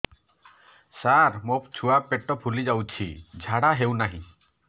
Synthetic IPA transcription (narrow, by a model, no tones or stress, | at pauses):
saɾmop̚t͡ʃʰuapeʈɔpʰulid͡ʒawt͡ʃʰḭd͡ʒʱaɽaɦewnaɦḭ̃